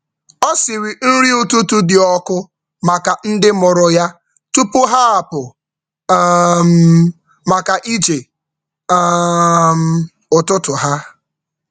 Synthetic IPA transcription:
ɔ˦sɪ˨ɾi˨n̩˦ɾi˦ʊ˨tu˦tu˦dɪ˨ɔ˦kʊ˦ | ma˨ka˨n̩˦dɪ˦mʊ˨ɾʊ˨ja˦ | tu˦pʊ˦ɦa˦a˨pʊ˨˦ | m̩˦ | ma˨ka˨ʔi˦d͡ʒe˨˦ | m̩˨ | ʊ˨tʊ˦tʊ˨ɦa˦

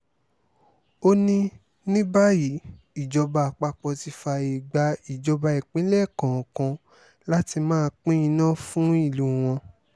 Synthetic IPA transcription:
o˦nĩ˧ | nĩ˦ba˦ji˨˦ | i˨d͡ʒɔ˧ba˧˨k͡pa˧k͡pɔ˧ti˧fa˧e˨ɡ͡ba˧i˨d͡ʒɔ˧ba˧i˨k͡pĩ˨˦lɛ˦˨kã˨kã˧ | la˦ti˧mãː˦˧k͡pĩ˦ĩ˧nã˦˨fũ˦i˦˨lu˨w̃ɔ̃˧

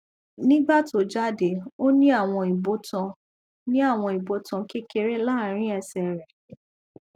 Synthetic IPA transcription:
nĩ˦ɡ͡ba˦˨to˨˦d͡ʒa˦de˨o˦nĩ˦a˦˨w̃ɔ̃˧i˨bo˧˦tã˧ | nĩ˦a˦˨w̃ɔ̃˧i˨bo˨˧˦tã˧ki˦ke˧ɾe˦la˦˨˦ɾ̃ĩ˦ɛ˧sɛ˧ɾɛ˨

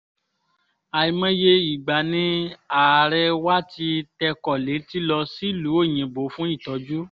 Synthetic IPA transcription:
a˨i˧mã˦je˧i˨ɡ͡ba˨nĩ˨˦a˨ɾɛ˧wa˦ti˧tɛ˧kɔ˨le˨˦ti˦lɔ˧si˦˨lu˨˦o˦˨j̃ĩ˨bo˨˦fũ˦i˦˨tɔ˨˦d͡ʒu˦

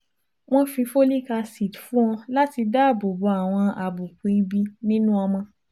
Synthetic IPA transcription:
w̃ɔ̃˦fĩ˧fo˦li˦˨ka˧si˨tfũ˦ɔ̃˧la˦ti˧da˦˨bo˨bo˨˦a˨w̃ɔ̃˧a˨bu˨k͡pĩ˨i˦bi˧nĩ˦nũ˦ɔ˧mɔ̃˧

